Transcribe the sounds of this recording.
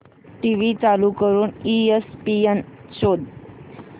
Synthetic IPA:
ʈiʋit͡salukəɾuːniespienɕod̪

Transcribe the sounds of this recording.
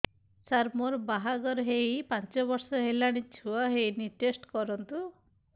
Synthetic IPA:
saɾmoɾbaɦaɡɔɾɦejpant͡ʃɔbɔɾsɔɦelaɽ̃it͡ʃʰuaɦejniʈesʈkɔɾɔnt̪u

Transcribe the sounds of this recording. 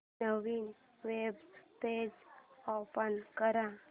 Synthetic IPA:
nəʋiːn | ʋebst̪ed͡zopənkəɾã

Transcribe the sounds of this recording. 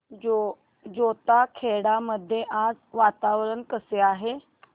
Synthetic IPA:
o | d͡ʑot̪akʰeɽaməd̪ʱːjeʔad͡zʋat̪aʋɾəɳkəseaɦe

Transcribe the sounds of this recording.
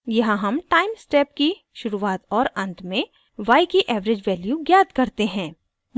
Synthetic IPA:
jɐɦãɦɐmʈaːɪmsʈɛːp̚ki | ʃʊɾuaːt̪ɔːɾɐ̃nt̪mẽ | ʋaːikiʔɛːʋɾed͡ʒʋɛːljuɡjaːt̪kɐɾt̪eɦɛ̃ː | m

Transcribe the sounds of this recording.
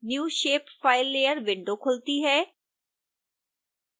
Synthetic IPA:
njuːʃeːpfaːɪlːeːjəɾʋɪ̃ɳɖoːkʰʊlt̪iːɦɛː

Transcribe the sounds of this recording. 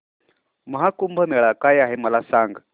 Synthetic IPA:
məɦakumbʱəmɛɭakajaɦeməlasaŋɡ

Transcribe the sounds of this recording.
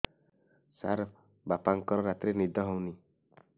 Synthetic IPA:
sa̰ɾ | bapaŋkɔɾɔɾat̪ɾenid̪ʱɔɦɔwni

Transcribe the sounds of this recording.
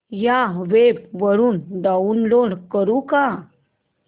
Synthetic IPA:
jaʋeb̚ʋəɾuːnɖauːnloɽkəɾuka

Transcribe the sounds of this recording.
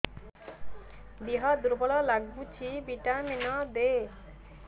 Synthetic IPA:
d̪iɦɔd̪uɾbʱɔlɔlaɡbut͡ʃʰibiʈamenɔd̪e

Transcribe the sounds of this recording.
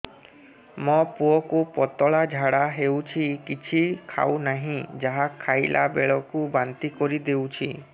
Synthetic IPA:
mɔpuɔkupɔt̪ɔɭad͡ʒʱaɽaɦewt͡ʃʰikit͡ʃʰikʰa̰wnaɦĩd͡ʒaɦakʰːajlʔa̰bḛɭɔkubant̪ikɔɾid̪ewt͡ʃʰi

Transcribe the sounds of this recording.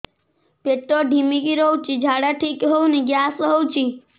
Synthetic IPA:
peʈːoɖʱimiɡiɾowt͡ʃʰid͡ʒʱaɽaʈʰikɦowniɡjasɦowt͡ʃʰi

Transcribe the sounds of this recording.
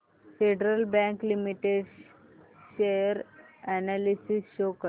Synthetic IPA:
feɖɾəlbɛ̃ŋklimiʈeɖ | ɕejəɾænalisisɕokəɾ

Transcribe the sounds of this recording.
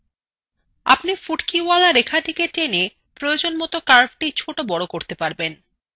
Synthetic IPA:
a̰pnifuʈkialaɾekʰaʈikeʈene | pɾojod͡ʑonmɔt̪okaɾbʈit͡ɕʰoʈobɔɽokoɾt̪epaɾben

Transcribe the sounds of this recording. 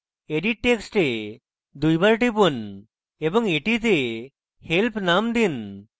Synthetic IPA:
eɖiʈ̚ʈːeksʈe | d̪ujbaɾʈipun | ebɔŋeʈit̪e | helpnamd̪in

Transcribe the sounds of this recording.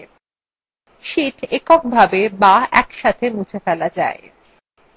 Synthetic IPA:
ʃiʈekok̚bʱabebaɛ̰kʃat̪ʰemut͡ɕʰefɛlad͡ʑa̰e

